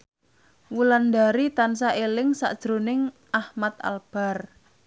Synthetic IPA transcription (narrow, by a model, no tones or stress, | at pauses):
wuland̪aɾit̪ansaʔelɪŋsa̰ʔd̥ʒ̥ɾonɪŋ | ʔahmat̪a̰lb̥a̤r